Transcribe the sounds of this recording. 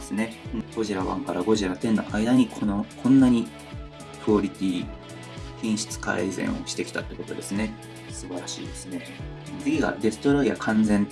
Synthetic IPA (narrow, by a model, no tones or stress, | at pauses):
esɨne̞ɯ̃ko̞ʑiɾaβã̰ŋkaɾaɡo̞ʑiɾat̪ẽ̞nːo̰ʔaid̪aɲ̟ikʰonokʰõ̞nːaɲ̟i | pɯ̟oɾʲit̪ʲiː | kʲĩɰ̃ɕɨ̥t͡sɨ̥ka̰ezẽ̞̰ɰ̃o̞ɕi̥t̪e̞kʲt̪at̪ːeko̞t̪od̪e̞sɨne̞ | sɨbaɾaɕḭːd̪e̞sɨne̞ | t͡sɨɡʲiɡa̰d̪e̞sɨ̥t̪o̞ɾaija̰kʰãnd͡zẽ̞n